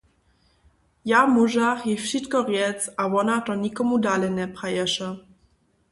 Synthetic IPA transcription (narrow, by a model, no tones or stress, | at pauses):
jamuʒaxjifʃit̪kɔʁjɛtt͡savɔnat̪ɔɲikɔmud̪alɛnɛpχajɛʂɛ